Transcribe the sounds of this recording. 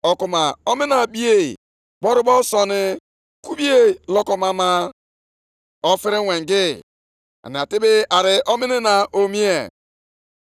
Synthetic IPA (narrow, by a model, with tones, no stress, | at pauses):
ɔ˨ku˨ma˨o˦mɪ˦na˨bi˦e˨ | k͡pɔ˦ɾʊ˦bɔ˦sɔ˨nɪ˦ | ku˦bi˦e˦lɔ˦kɔ˨ma˦ma˦ | ɔ˦fɪ˦ɾɪ˦we˨ŋ˨ɡɪ˦ | a̰˨n˨a˨tɪ˦bɪ˦a˨ɾɪ˨ʔɔ˦mɪ˦nɪ˦na˨ʔo˦mi˦e˨